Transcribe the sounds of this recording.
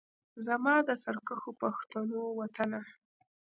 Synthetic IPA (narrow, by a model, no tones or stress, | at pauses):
zamɑd̪əsaɾkəxopaxt̪anowat̪ana